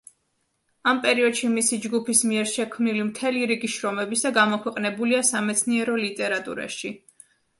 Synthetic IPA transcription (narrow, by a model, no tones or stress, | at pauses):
ampʼɛɾiɔd̪̥ʃimisid͡ʒɡupʰismiɛɾʃɛkʰmnilimt̪ʰɛliɾiɡiʃɾɔmɛbisaɡamɔkʰwɛqʼnɛbuliasamɛt̪sʰniɛɾɔlit̪ʼɛɾat̪ʼṵɾa̰ʃi